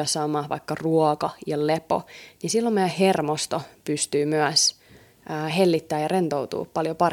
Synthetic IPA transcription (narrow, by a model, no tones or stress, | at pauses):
ɑsɑːmɑhʋɑ̰ikːɑruɔkɑjɑlepo̰nisilːommejæhermost̪opyst̪yːmyæsː | helːit̪ːæːjɑrent̪owt̪ṵːpɑljopɑr